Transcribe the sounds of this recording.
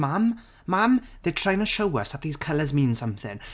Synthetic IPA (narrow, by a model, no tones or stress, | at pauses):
mamː | amðetʰɹ̥aɪjɪ̃ŋtʰəʃowəsðət̪̚ðiːz̥kʰəlˠəzmĩːnsʌ̃mθɪ̰̃ŋ